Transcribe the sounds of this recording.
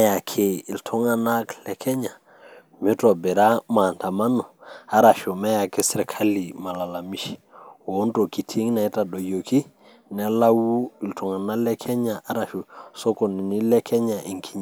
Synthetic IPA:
ja˨kʰe˨i˨ltʰɔ˦ŋa˨na˦klɛ˨kʰɛ˦ɲa˨ | mi˦to˨bɛ˨ɾa˦ma˨nta˨ma˦nu˨a˦ɾa˨ʃu˨ma˦ja˨ke˦sɾɛ˨kʰa˦li˨ma˨la˨la˨mi˦ʃ | wo˨o˦nto˨ki˨tʰi˦ŋ˦na˨i˦ta˨ɗo˨jo˨ki˦ | nɛ˦la˦wu˦i˨ltu˨ŋa˨na˦lɛ˦kʰɛ˦ɲa˨ʔa˦ɾa˨ʃu˨so˦ko˨ni˨ni˦lɛ˦kʰɛ˦ɲa˨ʔi˨ŋkʰi˦ɲ˨

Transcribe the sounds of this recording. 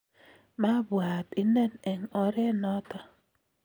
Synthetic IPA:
ma˦bwa˨ti˨ne˦ne˨ŋɔ˨ɾe˦nɔ˦ta˦

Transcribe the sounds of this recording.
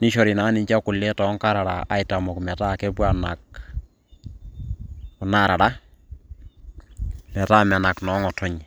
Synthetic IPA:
ni˦ʃɔ˨ɾi˨naː˨˦ni˨ɲt͡ʃa˦kʊ˨lɛ˦tɔ˨˦ŋka˦ɾa˨ɾa̰˨ʔa̰˨ita˨mɔ˨kmɛ˨ta˦˨kɛ˦bwa˦na˨k̚ | ʊ˨na˦˨ɾa˨ɾa˦ | mɛ˨ta˦ma˨na˨knɔ˨˦ŋɔ˨tɔ˦ɲ˨

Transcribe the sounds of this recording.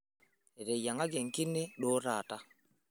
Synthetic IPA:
ɛ˨ɾe˨ja˨ŋa˦ɡɛ˨ŋ̩˨ki˦ne˦ɗo˦ɾaː˨ta˦

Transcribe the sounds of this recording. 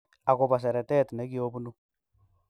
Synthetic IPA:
a˨ko˨ba˨s̬ɛ˨ɾɛ˨tɛ˦˨tnɛ˦ki˦o˦bu˦nu˦

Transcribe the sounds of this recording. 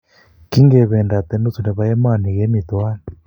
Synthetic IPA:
ki˦ŋɡɛ˨βɛ˨nda˨t̪ɛ˨˦nu˦t͡su˨nɛ˨βa˦jɛ˦ma˦˨ni˨ɣɛ˦mi˨t̪waː˦ni

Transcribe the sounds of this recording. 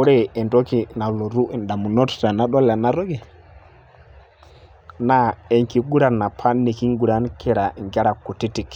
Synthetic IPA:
u˦ɾɛ˦ɛ˨ntɔ˦ki˨na˨lɔ˨ɾu˦˨nda˨mu˨nɔ˦tta˨na˨˦ɗɔ˦la˨na˦ɾɔ˦ɡɛ˨ | na˦ɛ˨ŋki˨ɡu˦ɾa˨na˨pʰa˦ne˨ki˦ŋɡu˨ɾa˦nkʰɛ˨ɾa˨ŋɡa˦ɾa˨ku˨ti˦ti˨k

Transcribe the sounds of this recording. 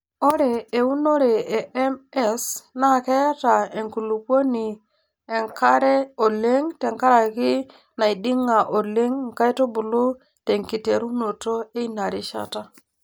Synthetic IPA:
o˦ɾeː˨u˦no˦ɾe˨e˨e˦me˦sna˦˨ke˦ja˦ta˨e˨ŋku˨lu˨kwo˦ni˨ | e˨ŋka˦ɾe˦o˨le˦ŋte˨ŋka˦ɾa˨ki˦ | na˨i˨ɗi˦ŋa˨ʔo˨le˦ŋ˨ka˦jto˦bu˨lu˦ | te˨ŋki˨te˨ɾu˦no˨to˦e˦i˦na˨ɾi˦ʃa̰˦ta˦

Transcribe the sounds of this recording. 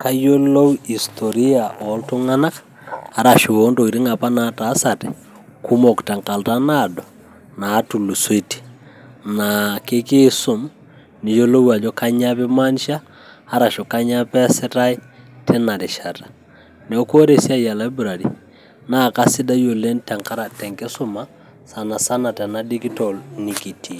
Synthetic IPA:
ka˨jjo˦lo˦u˦i˨stʰɔ˨ɾi˦a˨ʔɔ˨lto˦ŋa˦na˦kḁ | a˦ɾa˨ʃo˨o˦ndo˨i˨ɾi˦ŋa˨pa˦na˨ta˨˦sa˨tɛ̰ | kʰu˦mɔ˨kta˨ŋka˨ltana˨dɔ˨ | naː˨˦tu˨lu˨swe˦ti̥˦ | nake˦ke˦so˨m | ni˨jo˦lo˦wa˨d͡ʒɔ˦ka˦ɲa˦pɛ˦ma˦nʃaː˦ | ɾa˨ʃɔ˨ka˦ɲa˦pɛ˦sɛ˦ɾa˦i˦ | tʰɛ˦na˨ɾɪ˨ʃa˨tḁ˨ | nɛ˨ɔ˦ko˦ɾe˨sja˦ja˨la˨i˦bu˨ɾa˨ɾḭ˨ | na˦˨ka˦sɪ˦da˦jo˨le˦nta˨ŋka˦ɾa˨tɛ˨ŋke˦so˦ma˦ | sa˨na˨sa˦na˨tɛ˨na˦di˦ɡi˦tɔ˨lni˨ki˨tʰi˨

